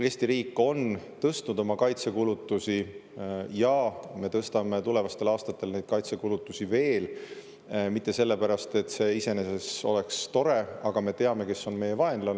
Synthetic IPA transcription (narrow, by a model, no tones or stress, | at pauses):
e̞ːsʲt̪iɾiːkːˑo̞nt̪ɤst̪nud̪̥o̞mɑkɑjt̪se̞kulut̪ːˑusi | jɑme̞t̪ɤst̪ɑme̞t̪ule̞vɑst̪e̞lɑːst̪ɑt̪ːˑe̞lne̞jd̪̥kɑjt̪se̞kulut̪ːˑusive̞ːl | mit̪ːe̞se̞lːe̞pæɾɑst̪e̞t̪ːˑse̞ise̞ne̞se̞so̞̰le̞kst̪o̞ɾe̞ɑɡ̥ɑme̞t̪e̞ɑme̞ke̞sːo̞nme̞je̞vɑe̞nlɑn